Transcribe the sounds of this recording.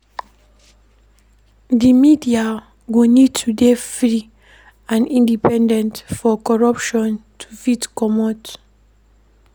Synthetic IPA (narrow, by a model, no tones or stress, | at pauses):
dimidia | ɡonid̚tʰudefɹi | ãnĩndipɛ̃ndɛ̃ntfɔkɔɹapʃɔ̃ntʰu̥fitkɔmɔt